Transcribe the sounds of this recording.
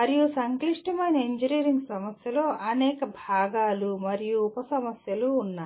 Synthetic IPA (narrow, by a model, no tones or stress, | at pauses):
ɐɾijusɐŋkliʂʈɐmɐjnɐeɲd͡ʒiniːɾiŋɡsɐmɐsjɐlo̞ːʔɐnɛːkɐbʱaːɡaːlumɐɾijuːpɐsɐmɐsjɐluːnːaː